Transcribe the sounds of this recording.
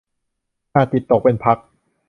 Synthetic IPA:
aː˥˩t̪i˨˩t̪ːo˨˩k̚pe˧npʰa˦˥k̚

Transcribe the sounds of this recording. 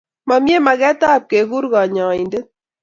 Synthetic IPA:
ma˨mje˦ma˨ɣɛ˦t̪a˦˨p̚ke˨ɡu˦ɾɣa˨ɲãː˨i˨nde˦

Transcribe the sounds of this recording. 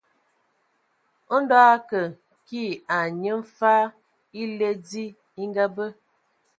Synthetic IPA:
o˦n˦dɔ˦a˦kə˨ | ki˦˨a˨ɲə˦m̩˦fa˦ | i˦le˦di˦ | i˦ŋɡa˦bə˦

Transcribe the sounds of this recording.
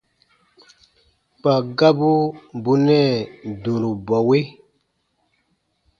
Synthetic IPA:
pa˨ɡa˦bu˦bu˦nɛ˦˨du˨ɾu˨bɔ˨we˦

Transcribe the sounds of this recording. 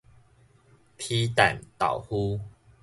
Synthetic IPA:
pʰi˦t̪a̰˨˩nt̪a̰˨˩whu˦

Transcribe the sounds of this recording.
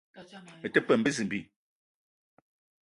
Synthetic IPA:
ə˨tə˦pə˨m̩bə˦zɨ˨m̩˨bi˦˨

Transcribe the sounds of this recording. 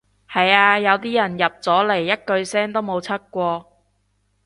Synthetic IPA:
hɐ˨jaː˧jɐ˨˧wt̪iː˥jɐ˨˩njɐ˨p̚t͡sɔː˨˥le˨˩jːɐ˥t̚kɵ˧ɥsɛː˥ŋt̪o˥wmo˨˧wt͡sʰɐ˥k̚kːʷɔː˧

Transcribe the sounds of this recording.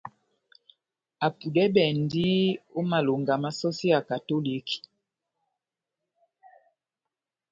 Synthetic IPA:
a˨pu˨dɛ˦bɛ˨ndi˦o˦ma˨lo˨ŋɡa˨ma˨sɔ˦si˦a˨ka˨to˦li˨˦ki̥˨

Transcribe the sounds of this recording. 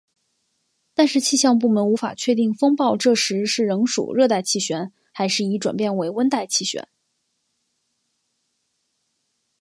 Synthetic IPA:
t̪a˥˧nʂɻ̩˥˧t͡ɕʰi˥˧ɕjɑ˥˧ŋp̬u˥˩mə˧˥nu˧˥fa̰˨˩t͡ɕʰɥɛ˥˧t̪i˥˩ŋfɤ˥ŋpɑ˥˧ʊʈ͡ʂɤ˥˩ʂɻ̩˧˥ʂɻ̩˥˩ɻɤ˧˥ŋʂṵ˨˩ɻɤ˥˧t̪a˥˧ɪt͡ɕʰi˥˩ɕɥɛ˧˥n | xa˧˥ɪʂɻ̩˥˩i˧˥ʈ͡ʂwa̰˨˩npjɛ˥˩nwe˧˥ɪwə˥nt̪a˥˧ɪt͡ɕʰi˥˩ɕɥɛ̰˧˥˦n

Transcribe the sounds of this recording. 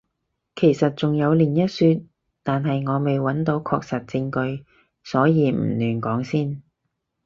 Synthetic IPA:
kʰe˨˩jsɐ˨t̚t͡sʊ˨ŋjɐ˨˧wliː˨˩njɐ˥t̚syː˧t̚ | t̪aː˨nɦɐ˨jŋɔː˨˧me˨jwɐ˨˥nt̪o˨˥wkʰɔː˧k̚sɐ˨t̚t͡sɪ˧ŋkɵ˧ɥ | sɔː˨˥jiː˨˧m̩˨˩lyː˨˩nkɔː˨˥ŋsiː˥˩n

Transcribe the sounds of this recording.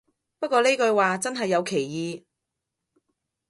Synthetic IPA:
pɐ˥t̚kʷɔː˧le˥kɵ˧ɥwaː˨t͡sɐ˥nɦɐ˨jːɐ˨˧wkʰe˨˩jjiː˨˧

